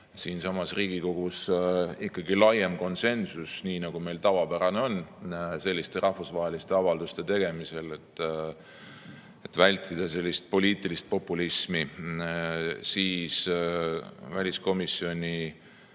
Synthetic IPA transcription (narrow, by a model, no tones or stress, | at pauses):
siːnsɑmɑsriːɡ̥iko̞ɡ̥usikːɑɡilɑjemko̞nse̞nsusniːnɑɡumejlt̪ɑvɑpæɾɑneo̞nːse̞lːist̪e̞ɾʔɑhvusvɑɦe̞list̪eɑvɑld̪ust̪e̞t̪e̞ɡ̥e̞mise̞let̪ːˑ | et̪vælʲt̪ʰˑːid̪̥ɑse̞lʲːist̪̚po̞lʲiːt̪ˑilist̪̚po̞pːulismi | siːs | vælʲisko̞misːio̞nʲi